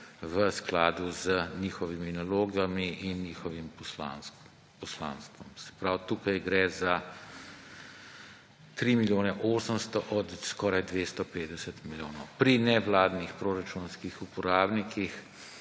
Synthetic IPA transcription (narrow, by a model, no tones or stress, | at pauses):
ʋəsklaːd̪uzəniːxɔʋiminaloːɡamiinːiːxɔʋimla̰n | pɔsla̰nst̪ʋɔmsɛ̥pɾawt̪uːkajɡɾɛza | t̪ɾimiljoːnɛʔoːsəmst̪ɔʔɔt̪skɔːɾajd̪ʋeːst̪ɔpeːd̪ɛsət̪miljoːnɔwpɾinɛʋlaːd̪nixpɾoːɾat͡ʃunskixupɔɾaːbnikix